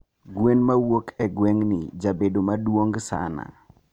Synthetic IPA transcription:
ɡwenmawokʰɛɡwɛŋnɪd͡ʒabedomadwoŋɡsa̰na̰

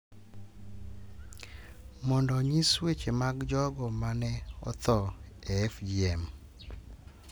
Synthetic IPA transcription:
mɔndɔɲiswet͡ʃemaɡd͡ʒɔɡɔmanɛɔ̰t̪ɔɛɛfd͡ʒiɛm

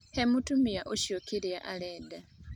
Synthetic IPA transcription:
hemutumijaʔuʃjokiliaʔaleːda

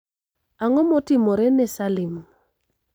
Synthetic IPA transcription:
aŋɔmɔtɪmɔɾɛnɛsalɪm

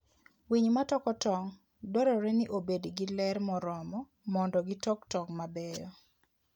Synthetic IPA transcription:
wiɲmatɔkɔtɔŋ | dɔɾɔɾɛnɪʔobedɡilɛrmɔɾɔmɔ | mɔndɔɡitɔktɔŋmabɛjɔ̰

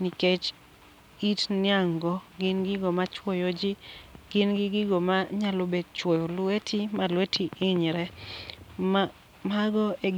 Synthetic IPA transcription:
niket͡ʃ | itnɪaŋɡɔɡɪnɡɪɡomat͡ʃwojod͡ʒiɡ̥ɪnɡɪɡɪɡomaɲalobed̚t͡ʃwojolwetʰimalwetʰiʔɪɲɾɛ | maɡɔe

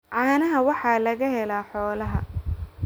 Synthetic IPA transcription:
ʕɑːnɐɦɐwɑħɑːlɐɣɐɦɛlaːħɔːlɐɦɐ̰

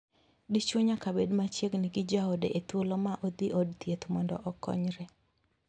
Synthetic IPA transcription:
dit͡ʃoɲakabedmat͡ʃjeɡnɪɡɪd͡ʒaɔdɛʔet̪wolɔmaʔod̪iʔodt̪jet̪mɔndɔ̰ʔɔkɔ̰ɲɾɛ

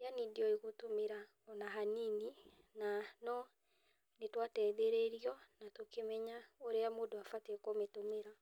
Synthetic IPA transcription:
eaniːndiɔeɣotomeɾa | ɔnaɦanini | nanɔ | netwatɛðeɾeɾiɔnatokemɛɲaoɾeamoːdoafatekometomeɾa

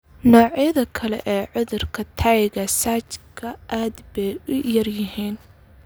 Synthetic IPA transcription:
nɔːʕɪjɐðɐkʰɐlɛ̰ʔɛːʕʊðʊrkʰɐt̪ʰɐjɣɐsaːt͡ʃkʰɐʔaːd̪bɛjʊjɐrjɪɦiːn

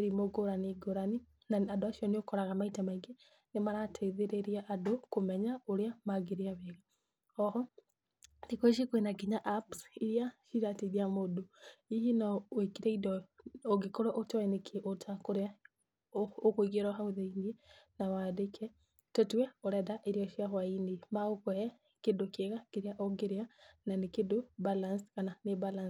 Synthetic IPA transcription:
eɾimoɡoɾaniɡoɾani | naadoaʃiɔneokɔɾaɣamaitamaiɡe | nemaɾatʰeðeɾeɾiaʔadokomɛɲaoɾeamaɡeɾeaβeɣa | ɔɦɔ | dekoeʃ̬ekwenaɡiɲaʔapsiɾjaʃiɾateðiamodoihinawekiɾeidɔoɡekoɾɔʔotɔɛnekʰeʔotʰakoɾea | okoiɡeɾaɦaoðainiɛnawadekʰɛ | tɔtwɛoɾɛdaʔeɾiɔʃiaɦwainimaokwɛɛ | kedokeɣakeɾeaʔɔɡeɾeananekedobalanskananebalans

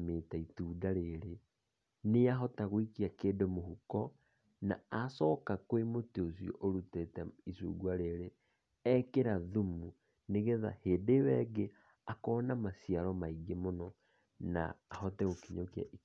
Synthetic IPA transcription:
meːtaituːdaɾeɾe | neaɦɔtaɣwikiakeːdomohukɔ | na̰asɔːkakwemoteosjɔ̰ʔoɾutetɛisṵːɡwaɾeɾe | ɛkeɾaðumu | neɣɛða̰heːdewɛɡe | akɔnamasiaɾɔmaiɡemonɔ | na̰ːɦɔtɛɣokiɲoka̰ʔi

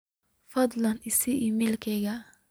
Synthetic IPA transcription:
fɐd̪ˤlɐnɪsɪʔɪmiːlkʰɛɣɐ

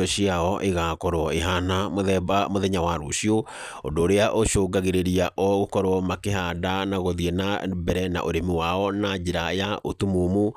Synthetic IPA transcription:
ɔɕiaɔʔeɣakɔɾoɔeɦanamoðɛbamoðɛɲawaɾo̰ɕio | o̰ndoːɾeaʔoʃoːɡaɣeɾeɾiaʔɔɣokɔɾoɔmakeɦadanaɣoðienabɛɾɛna̰ʔoɾemiwaɔnad͡ʑeɾajaʔotumomu

